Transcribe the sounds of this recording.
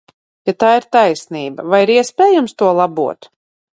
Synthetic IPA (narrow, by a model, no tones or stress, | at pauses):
jat̪aːiɾt̪ajsniːba̰vajiɾiɛspʲeːjumst̪uɔlˠabuɔt̪